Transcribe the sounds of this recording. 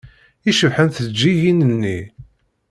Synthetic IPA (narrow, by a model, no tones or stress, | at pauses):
iʃəvħənθd͡ʒːijinənːi